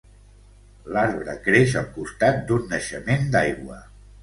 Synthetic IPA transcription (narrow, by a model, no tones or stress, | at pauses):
laɾβɾəkɾeʃəlˠkust̪at̪̚d̪unːəʃəmend̪ajɣwə